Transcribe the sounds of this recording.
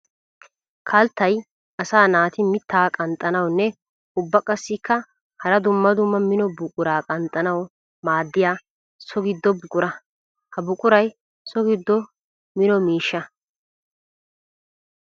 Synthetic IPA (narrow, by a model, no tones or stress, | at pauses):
kʰɐlt̪ːɐj | ɐsaːnaːt̪ɪmɪt̪ʰːaːkʼɐnt̪ʼːɐnɐwnːɛ | ʊbːɐkʼɐsːɪkːɐ | hɐɾɐd̪ʊmːɐd̪ʊmːɐmɪnɔbʊkʼʊɾaːkʼɐnt̪ʼːɐnɐw | maːd̪ːɪjaː | sɔɡɪd̪ːɔbʊkʼʊɾɐ | hɐbʊkʼʊɾɐj | sɔɡɪd̪ːɔ | mɪnɔmiːʃːɐ